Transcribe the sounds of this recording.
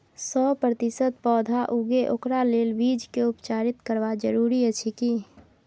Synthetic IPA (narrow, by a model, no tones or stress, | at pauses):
sɔpɾət̪isət̪̚pɔd̪ʱaʔuɡeʔokɾalelbid͡ʒkeupt͡ʃaɾit̪kəɾʋad͡ʒəɾuɾiət͡ʃʰiki